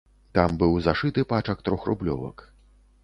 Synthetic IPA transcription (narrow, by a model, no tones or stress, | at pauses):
t̪ambɨwzaʂɨt̪ɨpat͡ʂɐk̚t̪ɾɔxrṵblʲɔ̰vɐ̰k